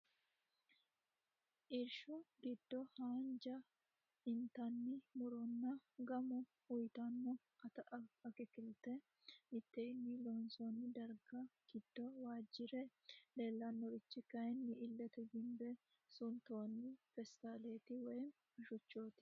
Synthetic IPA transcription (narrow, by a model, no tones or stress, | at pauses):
ʔɪɾʃɔɡɪd̪ːɔhaːnd͡ʒɐ | ɪnt̪ɐnːɪmʊɾɔnːɐɡɐmʊ | ʊjt̪ɐnːɔ | ɐt̪ɐʔɐɐkɪkɪlt̪ɛ | ɪt̪ːenːiloːnsoːnːɪd̪ɐɾɡɐɡ̥ɪd̪̥ːɔwaːd͡ʒːɪɾɛleːlːɐnːɔɾɪt͡ʃːɪkɐjɛnːɪʔɪlːɛt̪ɛɡɪmbɛ | sʊnt̪oːnːɪfɛst̪aleːt̪ɪwɐjn | ɐʃʊt͡ʃːoːt̪ɪ̥